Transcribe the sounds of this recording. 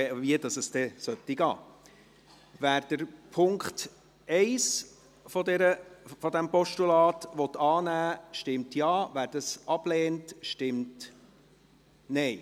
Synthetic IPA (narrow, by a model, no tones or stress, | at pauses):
viədɑsəsd̥̪ɛsœt̪ːiɡɑ̰ː | ʋæːɾd̥əɾpʰʊŋkt | ɛɪs | fɔdɛɾəfɔd̪æmpɔʃtulɑːtʋɔt̪ɑːnæːʃtɪmtjɑːvæːɾd̥ɑsʔɑb̥lɛːntʃtɪmt | nɛɪ